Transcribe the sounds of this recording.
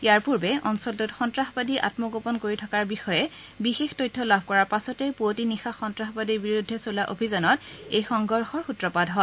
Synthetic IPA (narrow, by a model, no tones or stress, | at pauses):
ijaɹpuɹbɛɔnsɔltutxɔntɹaxɔbadiʔa̰tmɔɡopɔnkoɹitʰɔkaɹbixɔjɛ | bixextɔjtʰːɔlabʱkɔɹaɹpasɔtɛpuotinixaxɔntɹaxɔbadiɹbiɹudʱːɛsolaʔobʱizanɔtejxɔŋɡɔɹxɔɹxutɹɔpadʱɦɔ